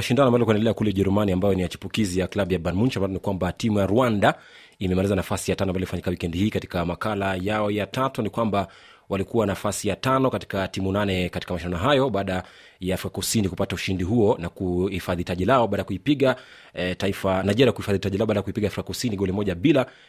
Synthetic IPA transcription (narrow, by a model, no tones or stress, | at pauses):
maʃindanɔambalikwɛndɛlɛakulɛʄɛɾumaniambajɔnijat͡ʃu̥pukizijaklaɓujabanmuɲt͡ʃamanɔnikwambatimujaɾwanda | imɛmalizanafasijatanɔambajlifaɲikawikɛndihiːkati̥kamakalajaɔjatatunikwamba | walikuwanafasijatanɔkati̥katimunanɛkati̥kamaʃindanɔɦajɔɓaːɗa | jaːfɾikakusinikupatauʃindiɦuɔnakuhifaðitaʄilaɔbaːɗajakuipiɠa | taifanaʄɛɾakuhifaðitaʄilaɔbaɗajakuipiɠaːfɾikakusiniɠɔlimɔʄaɓila